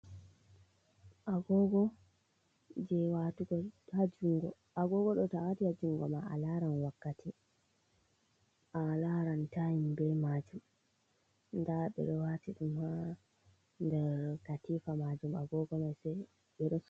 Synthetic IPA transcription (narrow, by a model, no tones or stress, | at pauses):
ʔaɡɔɡɔ | d͡ʒɛwatuɡɔhad͡ʒuŋɡɔ | ʔaɡɔɡɔɗɔtawatihad͡ʒuŋɡɔmaa̰laɾanwakːatʰi | ʔalaɾantajimbɛmad͡ʒum | ndaɓɛ̰ɗɔwatiɗumha | ndɛɾkatifamad͡ʒumaɡɔɡɔmajsɛ | ɓɛɗɔ